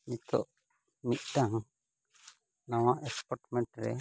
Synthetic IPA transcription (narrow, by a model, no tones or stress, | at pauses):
ɲit̪ɔ̰ʔ | mit̪̚ˀʈaŋ | naw̃aʔɛspɔɾʈmɛɳʈɾɛ̰